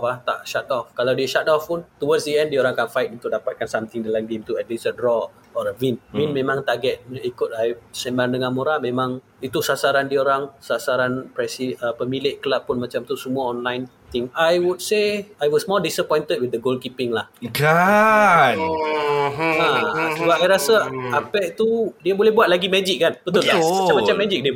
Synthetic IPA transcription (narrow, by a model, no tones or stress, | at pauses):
pat̪a̰ʔʃat̪ɔfkalawdiəʃat̪ɔfpunt̪uwadsdiɛ̃ndioɾaŋakanfajt̪̚unt̪ʊk̚dapat̪̚kansamt̪ɪŋdalamɡemt̪uədisədɾɔ | ɔɾəvinvinmẽmãŋt̪aʔɡɛt̪̚ikʊt̪̚ajsəmbandəŋãnmoɾamẽmãŋ | it̪usasaɾandioɾaŋsasaɾanpɾɛsiəpəmilɪʔkəlapːʊnmãt͡ʃamt̪usəmuaɔnlajn | t̪ɪŋajwud̚seajwɔsmɔldisəpɔjnt̪əd̚wid̪əɡolkipɪŋlahɡa | ãsəbaajɾasaapɛʔt̪udiabolɛhbuat̪̚laɡimɛd͡ʒɪk̚ːanbət̪ʊlamat͡ʃamat͡ʃamːɛd͡ʒɪk̚di